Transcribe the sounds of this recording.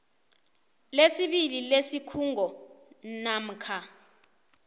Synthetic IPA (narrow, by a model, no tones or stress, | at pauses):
lesiɓililesikʰuŋɔ | nam̩kʰa